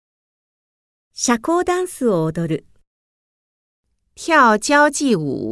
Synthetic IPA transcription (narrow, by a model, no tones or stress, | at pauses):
ɕako̞ːd̪ãɰ̃sɨoːd̪o̞ɾɯ̟ | çʲaot͡ɕaot͡ɕiṵ